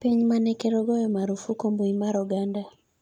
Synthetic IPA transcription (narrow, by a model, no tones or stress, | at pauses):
piɲmanɛkɛɾɔɡɔjɔmaɾufukomboimaɾuɡanda